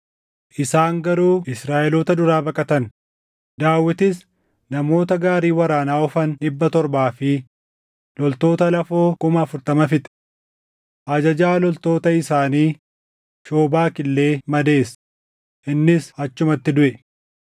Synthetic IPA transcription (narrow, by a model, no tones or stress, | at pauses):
ʔɪsaːŋɡɐɾuːɪsɾaːʔɛloːt̪ɐd̪ʊɾaːbɐkʼɐt̪ɐn | d̪aːwːɪt̪ɪs | nɐmo̞ːt̪ɐɡaːɾiːwɐɾaːnaːɔfɐnᶑɪbːɐt̪ɔɾbaːfɪ | lɔlt̪o̞ːt̪ɐlɐfo̞ːkʊmɐɐfʊɾt̪ɐmɐfɪt̪ | ʔɐd͡ʒɐd͡ʒaːlɔlt̪o̞ːt̪ɐɪsaːniː | ʃo̞ːbaːkɪlːe̞ːmɐd̪e̞ːs | ʔɪnːɪsɐt͡ʃːʊmɐt̪ːɪd̪ʊʔɛ